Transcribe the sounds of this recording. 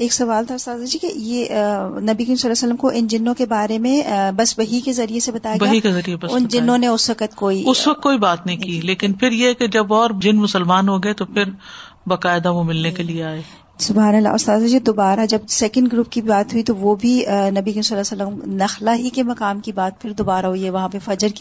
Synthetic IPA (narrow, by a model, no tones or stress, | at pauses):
eːksɐʋaːlt̪ʰaʊst̪aːd̪ad͡ʒiːkejenɐbikimsɐlːɛːsələmkoʔɪnd͡ʒɪnːõkebaːɾemẽbɐsbɐɦikezɐɾijesebɐt̪aːjɡbɐaɦikezɐɾiebɐsʊnd͡ʒɪnːõneʊsʋɐkət̪koːiʊsʋɐk̚t̪̚ːkoːibaːt̪nɐɦĩkiːleːkɪnpʰɪɾjeɛked͡ʒɐbɔːɾd͡ʒɪnmʊsəlmaːnɦoɡɐet̪opʰɪɾ | bɐkaːɪd̪aʋomɪlnekelieaːeː | sʊbɦaːnəlːa̰st̪aːd̪ɐd͡ʒed̪obaːɾad͡ʒɐb̚sɛːkə̃ɳɖɡɾuːp̚kiibaːt̪ɦuit̪oʋobʱinɐbikəmsɐlːaːsəlːəmnɐxlaɦikemɐkaːmkibaːt̪̚pʰɪɾd̪oːbaːɾaɦʊiɦɛʋɐɦãpefɐd͡ʒəɾk